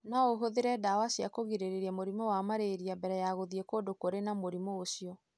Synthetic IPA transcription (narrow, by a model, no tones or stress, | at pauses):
naoɦoðeɾɛdawasiakoɣiɾeɾeɾamoɾimɔwamaɾeɾiabɛɾɛjaɣoðiekodokoɾenamoɾimooɕiɔ